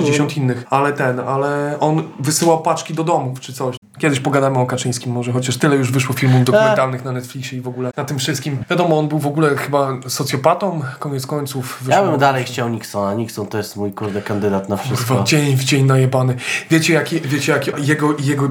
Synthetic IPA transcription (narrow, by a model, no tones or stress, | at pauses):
d͡ʑeɕɔ̃nt̪inːɘxalɛt̪ɛnalɛɔnvɘsɘwawpat͡ʂkʲid̪ɔd̪ɔmuft͡ʂɘt̪sɔɕ | kʲjɛd̪ɘɕpɔɡad̪amɘɔkat͡ʂɘj̃skʲimːɔʐɛxɔt͡ɕaʂt̪ɘlɛjuʐvɘʂwɔfʲilmumd̪ɔkuɛnt̪alnɘxnanɛt̪flʲikɕɛivɔɡulɛnat̪ɘmfʂɘst̪kʲimvʲjad̪ɔmɔɔnbɘwvɔɡulɛxɘbasɔt̪sʲjɔpat̪ɔmkɔɲɛt̪skɔɲt̪sufvɘjabɘmd̪alɛjxt͡ɕawɲiksɔnaɲiksɔnt̪ɔjɛst̪mujkuɾd̪ɛkand̪ɘd̪at̪nafʂbaɔd͡ʑeɲvd͡ʑeɲnajɛbanɘvʲjet͡ɕɛjakʲivʲjet͡ɕɛjakʲijɛɡɔjɛɡɔ